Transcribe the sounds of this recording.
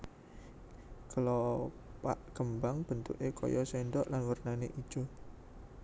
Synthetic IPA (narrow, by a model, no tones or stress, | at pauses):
kəlɔ | pa̰ʔɡ̥əmbaŋb̥ənt̪ṵʔekʰɔ̰jɔsɛɳɖɔʔlanwərnaneʔid̥ʒ̥ɔ